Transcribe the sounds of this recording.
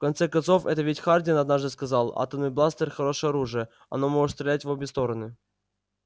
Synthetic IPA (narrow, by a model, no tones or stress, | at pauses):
fkɐnt̪sɛkɐnso̞fɛt̪əvʲetʲxardʲɪənɐd̪naʐd̪ɨskɐzɑlˠa̰t̪əmnɨjblˠast̪ərxɐɾo̞ʂɨjɐɾuʐɨjə | ɐ̰nomoʐɨt̪st̪ɾʲɪlʲætʲvobʲɪst̪o̞ɾənɨ